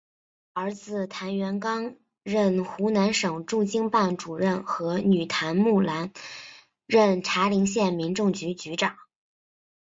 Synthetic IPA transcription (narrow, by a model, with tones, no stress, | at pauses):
ə˞˧˥t͡sɹ̩˨˩t̪ʰa˧˥nɥɛ˧˥nkɑ˥ŋ | ɻə˥˩nxu˧˥na˧˥nʂɤ˨˩ŋʈ͡ʂu˥˩t͡ɕi˥ŋpa˥˩nʈ͡ʂu˨˩ɻə˥˩nxɤ˧˥ny˨˩t̪ʰa˧˥nmu˥˩la˧˥n | ɻə˥˩nʈ͡ʂʰa˧˥li˧˥ŋɕjɛ˥˩nmi˧˥nʈ͡ʂʊ˥˩ŋt͡ɕy˧˥t͡ɕy˧˥ʈ͡ʂɑ˨˩˦